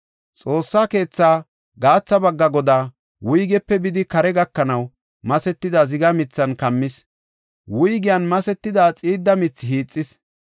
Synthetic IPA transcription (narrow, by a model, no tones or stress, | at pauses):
t͡sʼo̞ːsːaːke̞ːt͡sːaː | ɡaːt͡sːɐbɐɡːɐɡɔd̪aː | wʊjɡɛpːɛbɪd̪ɪkɐɾɛɡɐkːɐnɐw | mɐsɛt̪ːɪd̪ɐzɪɡɐmɪt͡sːɐnkɐmːɪs | wʊjɡɪjɐnmɐsɛt̪ːɪd̪aːt͡sʼiːd̪ːɐmɪt͡sːɦiːt͡sʼːɪs